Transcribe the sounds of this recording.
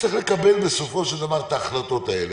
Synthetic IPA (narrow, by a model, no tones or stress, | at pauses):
t͡seχlekabelbesofo̞ʃeld̪avaʁt̪aːχlat̪o̞t̪aele